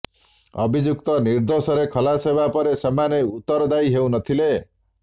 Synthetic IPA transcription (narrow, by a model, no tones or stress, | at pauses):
ɔ̰bʱid͡ʒuk̚t̪ɔniɾd̪osɔɾekʰʌlasebapɔɾesɔmaneut̪ːɔɾɔd̪ajɦew̃nʌt̪ʰile